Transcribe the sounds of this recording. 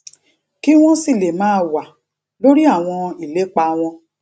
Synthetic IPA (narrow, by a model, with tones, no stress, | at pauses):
ki˦w̃ɔ̃˦si˦˨le˨mãː˨˦wa˨ | lo˦ɾi˦a˦˨w̃ɔ̃˧i˨le˨˦k͡pa˧w̃ɔ̃˧